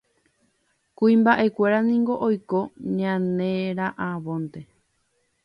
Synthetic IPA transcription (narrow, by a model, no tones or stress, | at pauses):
kuĩmbaʔe̞kʷe̞ɾanĩŋɡo̞ʔojko̞ɲãnẽɾaʔaβõnt̪e̞